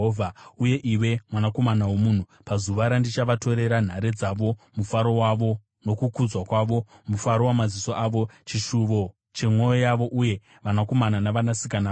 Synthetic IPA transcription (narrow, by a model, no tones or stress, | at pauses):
ovʱauje̞ʔiwe̞mwanako̞manawemuːn̤u | pazuʋaɾandit͡ʃaʋato̞ɾe̞ɾan̤aɾed͡zaʋo̞mufaɾo̞waʋo | no̞kukud͡zwakwaʋo̞mufaɾo̞wamaziso̞ʔaːʋo̞t͡ʃiʃuʋo̞ | t͡ʃe̞mwo̞jojaʋo̞ʔuje̞ | ʋanako̞mananaʋanasikana